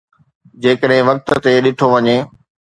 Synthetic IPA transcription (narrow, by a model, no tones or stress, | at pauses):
d͡ʑeːkəɗɦɪ̃ʋɐk̚t̪ə̆t̪eɗɪʈʰoʋɐɲeː